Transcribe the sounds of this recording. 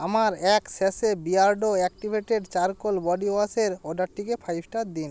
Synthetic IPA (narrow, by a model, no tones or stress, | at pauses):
amaɾɛksesebiaɾɖoɛkʈibʱeʈeɖt͡ɕaɾkolbɔɖioaseɾoɖaɾʈːikepʰajbʱʈad̪in